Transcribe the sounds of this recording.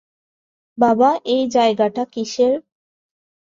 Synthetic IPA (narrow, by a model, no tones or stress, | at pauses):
babaʔejd͡ʑaeɡaʈakiʃeɾ